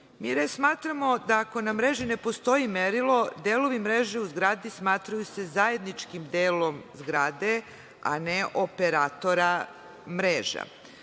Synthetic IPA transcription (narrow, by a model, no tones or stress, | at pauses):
miːɾesmaːt̪ɾamo̞d̪aːko̞namɾeʒine̞po̞st̪o̞jimeɾilˠo̞d̪eːlo̞ʋimɾeːʒeuzɡɾaːd̪ismaːt̪ɾajuse̞zaje̞d̪nit͡ʃkimd̪eːlo̞mzɡɾaːd̪e̞ | a̰neʔopeɾaːt̪o̞ɾa | mɾeːʒa̰